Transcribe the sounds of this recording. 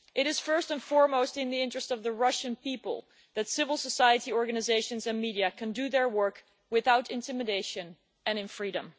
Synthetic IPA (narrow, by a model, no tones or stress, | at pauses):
ʔɨɾɨz̥fɜ˞stɨ̃nfɔɹmoʊstɨ̃nðiɪ̃nt͡ʃɹ̥ɨstʌvðɨɹʌʃɨ̃npipə̰lˠ | ðɨtsɪvəl̩ˠsəsajɨɾiɔɹɡɨnɨzeɪʃɨ̃nzɨ̃nmiɾiɨkʰɨ̃ndɨðə˞wɜ˞k | wɪθaʊɾɨ̃ntʰɪ̃mɨdeɪʃɨ̃n | ɨ̃nɨ̃nfɹiɾɨ̰̃m